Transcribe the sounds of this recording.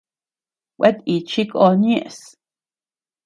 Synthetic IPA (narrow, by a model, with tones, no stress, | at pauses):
wʷʔe˦t̪i˨t͡ʃi˦ko˧njẽ˦ʔs